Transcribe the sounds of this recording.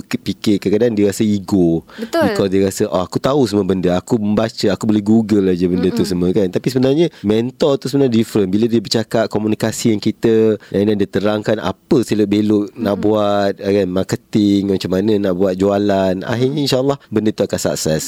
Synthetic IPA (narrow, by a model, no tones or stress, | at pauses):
pikɪkəkadaandiəɾasəiɡobəbikkɔsdiəɾasəʔɔ̰akut̪ausəməbəndəakuməmbat͡ʃəakubolɪɡuɡəlːad͡ʒəbəndət̪us̬əməkant̪apisəbənarɲə̃mɛnt̪ɔt̪usəbənadifɾənbilədiəbərt͡ʃakat̪̚komunikasijaŋkit̪ədadadiət̪əɾaŋkana̰pəsəlʊʔ̚belʊʔnaʔbuat̪̚ɡanmarkət̪ɪŋmat͡ʃamːanə̃naʔbuat̪̚d͡ʒualana̰ɦiɲəinʃaəlˠːahbəndət̪uakansa̰k̚sɛs